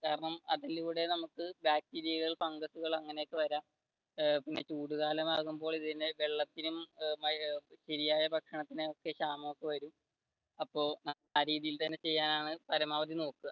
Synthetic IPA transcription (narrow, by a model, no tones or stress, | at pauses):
kaːɾɐɳɐmɐðiliʋiɽe̞nɐmukːɨbjaːk̚tiɾijɐɣɐɭfɐŋɡɐsuɣɐɭɐŋːɐneekːɨʋɐɾaːm | pinːe̞t͡ɕuːɽuɣaːlɐmaːɣumbo̞ːɭiðineʋeɭːɐt̪ːinummɐɕɐɾijaːjɐbʱɐkʂɐɳɐt̪ːineo̞kːeɕaːmɐmokːeʋɐɾum | ɐpːo̞ːnɐ | aːɾiːðijilt̪ɐnːe̞t͡ɕe̞jːaːnaːɳɨpɐɾɐmaːʋɐð̬ino̞ːkːuɣɐ